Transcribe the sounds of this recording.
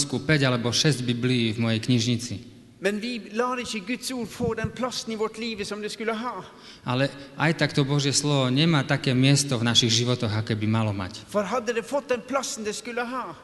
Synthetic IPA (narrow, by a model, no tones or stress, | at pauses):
skupɛɟalɛbɔʃɛzɟbibliːvmɔjɛjkɲiʒɲit͡si | mɛnʋɪlɑːɾəɪçːəɡʉt̪suːɾfoːd̪ɛnpʰlɑsəniʋɔʈliːʋəsɔmd̪ɛskʉləɦɑː | ʔalɛʔajt̪akt̪ɔbɔʒɪjɛslɔʋɔɲɛmaːt̪akɛːmɪɛst̪ɔvnaʃiɣʒiʋɔt̪ɔɣakɛːbimalɔma̰cfɔɾɦɑd̪ːəd̪ɛfɔt̪̚d̪ɛnpʰlɑsn̩d̪ɛskʉlːəɦɑː